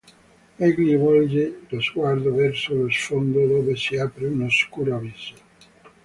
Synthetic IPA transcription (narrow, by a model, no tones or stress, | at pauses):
ɛɡliβɔld͡ʒelozɡwaɾd̪ovɛɾsolosfond̪od̪oβesiapɾeunoskuɾoaβiza